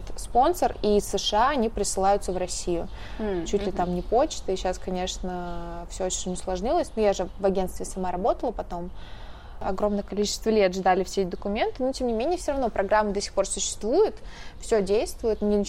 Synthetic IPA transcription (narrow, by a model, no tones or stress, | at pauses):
t̪spo̞nsərisɨʂɨaɐnʲipɾʲɪsɨlˠajʊt̪səvrɐsʲijʊ | t͡ɕutʲlʲɪt̪amnʲɪpo̞t͡ɕt̪ɨɪɕaskɐnʲe̞ʂnəfsʲoot͡ɕɪnʲːɪslˠɐʐnʲilˠəsʲnujaʐɨvɐɡʲenst̪vʲɪsɐmaɾɐbo̞t̪əlˠəpɐt̪o̞m | ɐ̰ɡɾo̞mnəjəkɐlʲit͡ɕɪ̥st̪vəlʲe̞t̪ʐd̪alʲɪfsʲetʲɪd̪əkʊmʲe̞nt̪ɨnotʲe̞mnʲɪmʲenʲɪjəfsʲoɾɐvno̞pɾɐɡɾamːɨd̪ɐsʲi̥xpo̞rsʊɕːɪ̥st̪vujʊt̪fsʲodʲejst̪vʊjʊt̪nʲɪ